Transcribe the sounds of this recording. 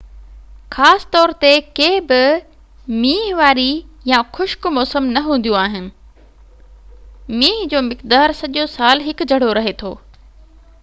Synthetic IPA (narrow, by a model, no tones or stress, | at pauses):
xaːsɪ̥t̪ɔːɾt̪ekeːbɪ | miːɦʋaːɾijãxʊʃkmɔːsəmnɐɦũːn̆d̪jũaːɦɪnɪ̆ | miːɦd͡ʑoːmɪkd̪aːɾsɐʄosaːlɦɪkd͡ʑʱɐɽ̤oɾɐɦet̪ʰoː